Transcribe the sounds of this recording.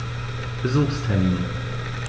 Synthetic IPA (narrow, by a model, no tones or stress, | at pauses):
b̥əzuːχstʰɛɐmiːn